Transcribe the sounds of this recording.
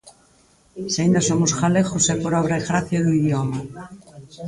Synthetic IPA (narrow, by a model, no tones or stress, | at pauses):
saĩnd̪asomʊsxalexʊsɛpoɾɔβɾaeɣɾaθjaðuiðjoma